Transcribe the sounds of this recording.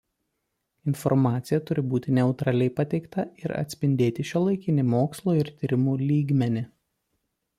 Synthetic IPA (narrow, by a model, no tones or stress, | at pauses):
ɪnfɔɾmɑːt̪sʲɪjɛt̪ʊɾʲɪbuːt̪ʲɪnʲɛʊt̪ɾɑlʲɛɪpɐt̪ʲɛɪkt̪ɐɪɾɐ̰t̪ʲsʲpʲɪnʲd̪ʲeːt̪ʲɪʃʲolˠɐɪkʲɪnʲɪmoːkslˠoːɪɾt̪ʲiːɾʲɪmuːlʲiːɡmʲɛnʲɪ